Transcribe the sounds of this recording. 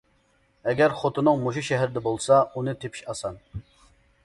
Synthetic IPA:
ɛɡʲɛɾχot̪ʰɨnɨŋmuʃ̬uʃɛɦɛɾɪd̪ɛbolˠsɑunɨt̪ʰepʰi̥ʃɑsɑn

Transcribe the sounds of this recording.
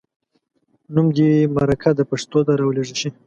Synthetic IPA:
numd̪imaɾakʰad̪əpaʂt̪od̪aɾawleʐiʃi

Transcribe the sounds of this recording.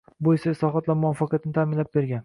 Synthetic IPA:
bojɪsaɪslɒɦɒt̪lamʊɒfɑqjat̪nɪt̪ʰamɪnlap̚be̞ɾɡʲan

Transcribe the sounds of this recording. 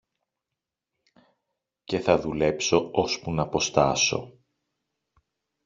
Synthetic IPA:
ce̞θɐðule̞pso̞o̞spunɐpo̞st̪ɐ̰so̞̰

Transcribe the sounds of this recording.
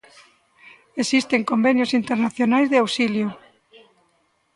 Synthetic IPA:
esist̪eŋkombenjosint̪eɾnaθjonajzðeawsiljo

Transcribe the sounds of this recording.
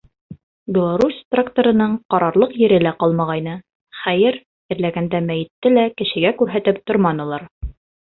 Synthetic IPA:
bʲɪlˠaɾusʲt̪rakt̪oɾɤ̆nɤɴqɑɾɑɾlˠɤqjɘ̆ɾɘlæqɑlˠmɑʁɑjnɤ | χæjɘɾ | ɘ̆ɾlæɡænd̪æmæjɘ̆t̪ːɘlækɘ̆ʃɘ̆ɡækʉɾɦæt̪ɘp̚t̪oɾmɑnɤ̆lˠɑɾ

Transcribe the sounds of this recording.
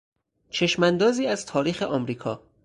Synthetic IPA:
t͡ʃʰe̞ʃmænd̪ɒːziːæz̥t̪ʰɒːɾiːxe̞ʔɒːmɾiːkʰɒː

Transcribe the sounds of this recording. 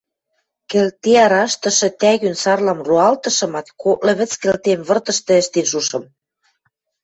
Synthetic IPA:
kɘ̆lt̪eɑɾɑʃt̪ɤ̆ʃɤ̆t̪æɣynsɑrlɑmruɑlt̪ɤ̆ʃɤ̆mɑt̪koʔlɤ̆βɘ̆t͡skɘ̆lt̪emβɤ̆rt̪ɤ̆ʃt̪ɤ̆ɘ̆ʃt̪enʃuʃɤ̆m

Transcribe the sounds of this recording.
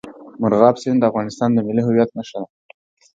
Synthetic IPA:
mʊɾɣɑbsend̪əafɣɑnɪst̪ɑnd̪əmɪliɦʊwjat̪̚naʃala

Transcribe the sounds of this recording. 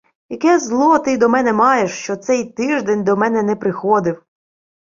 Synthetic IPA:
jɐkɛzlˠɔt̪ɪd̪ɔmɛnɛmɑjeʃt͡ʃɔt̪sɛjt̪ɪʒd̪ɛnʲd̪ɔmɛnɛnɛpɾɪxɔd̪ɪw

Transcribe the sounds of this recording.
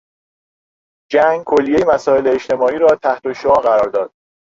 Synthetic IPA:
d͡ʒæŋɡkʰolːije̞jemæsɒːe̞leːʃt̪ʰe̞mɒːiːɾɒːt̪ʰæht̪oʃoɒːɣæɾɒːɾd̪ɒːd̪̥̚

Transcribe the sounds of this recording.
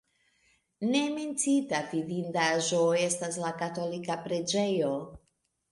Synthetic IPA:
ne̞me̞nt͡sitavidindaʒoe̞stas̬lakato̞likapɾe̞d͡ʒe̞jo̞

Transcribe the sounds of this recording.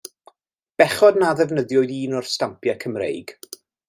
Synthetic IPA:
b̥ɛχɔdnaðɛvnəðjɔjðiːnɔrstampʰjakʰəmrḛjɡ̥

